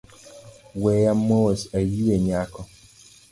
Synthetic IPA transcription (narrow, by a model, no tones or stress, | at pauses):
wɛjamowɔsajieɲakɔ